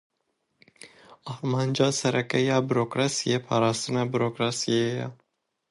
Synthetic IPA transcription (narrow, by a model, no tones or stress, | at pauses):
ɑːɾmɑːnd͡ʒɑːsɛɾʔɛkɛjɑːbɨɾoːkɾɑːsijeːpʰɑːɾɑːst̪ɨnɑbɨɾoːkɾɑːsijejɛ̰